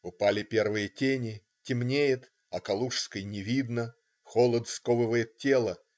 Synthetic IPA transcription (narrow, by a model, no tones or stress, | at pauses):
ʊpalʲɪpʲe̞rvɨjətʲenʲɪ | tʲɪmnʲejɪt̪ | ɐkɐlˠuʂskəjnʲɪvʲid̪nə | xolˠət̪skovɨvəjɪt̪̚tʲːe̞lˠə